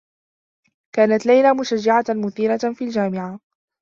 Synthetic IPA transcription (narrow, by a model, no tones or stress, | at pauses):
kaːnat̪lajlaːmʊʃad͡ʒːaʕamʊθiːɾafiːld͡ʒaːmɪʕa